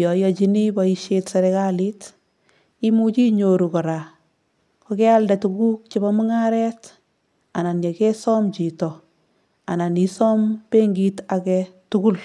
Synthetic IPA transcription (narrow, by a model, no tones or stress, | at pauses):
jɔjɔt͡ʃinibaiʃetsɛɾɛkalit | imut͡ʃiɲoɾukɔɾa | kɔkɛaldɛtuɡuk̚t͡ʃɪbamʊŋaɾɛt | ananjekɛsɔmt͡ʃitɔ | ananisɔmbeŋɡitakɛtʊɡul